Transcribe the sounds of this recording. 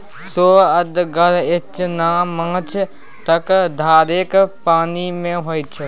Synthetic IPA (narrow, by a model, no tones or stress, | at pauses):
soːəd̪ɡəɾɪt͡ʃnaːmə̃ŋt͡ʃʰ | t̪əkd̪ʱaːɾeːkpaːnimẽɦoːjt͡ʃʰe